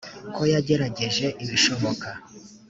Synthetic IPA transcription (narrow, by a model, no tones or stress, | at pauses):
ko̞jaɟe̞ɾaɟe̞ʒe̞ʔiβiʃo̞βo̞ka